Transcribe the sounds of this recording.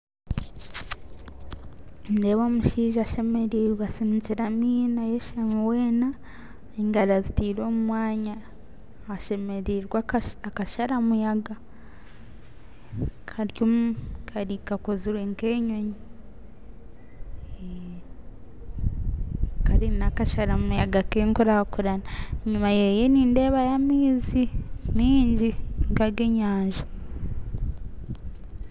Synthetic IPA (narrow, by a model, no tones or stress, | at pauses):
ndeβomuʃiːʒaʃemeɾiɾɡasiːɲɟiɾamiːnajeʃamuweːna | eŋɡaɾazitiːɾo̞ːmumwaːɲaː | ʃemeɾiɾɡaakaʃaɾamujaɡa | kʰaɾjomkʰaɾikakoziɾeŋkeːɲoɲi | kaɾinakaʃaɾamujaɡakeŋkuɾakuɾanaɲumajejeniːnde̞ːβajamiːzimiːɲɟiŋkaɡeɲaːɲʒḁ